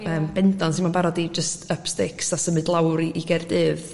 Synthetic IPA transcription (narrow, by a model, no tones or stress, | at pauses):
əːmb̥ɛndɔnsinmanbaɾɔdid͡ʒəstʰəpstɪksasəmɨdlˠawɾiʔiɡɛrdɨːð̥